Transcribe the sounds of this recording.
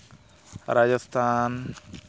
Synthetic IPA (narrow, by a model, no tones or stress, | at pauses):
ɾad͡ʒast̪ʰan